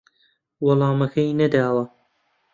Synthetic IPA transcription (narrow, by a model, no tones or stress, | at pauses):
wɑlˠɑːmɐkʰɐjnɐd̪aːwɐ